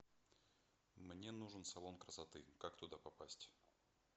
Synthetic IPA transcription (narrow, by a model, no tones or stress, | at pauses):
mnʲe̞nuʐɨnsɐlˠo̞nkɾəsɐt̪ɨkakt̪ʊd̪apɐpasʲtʲ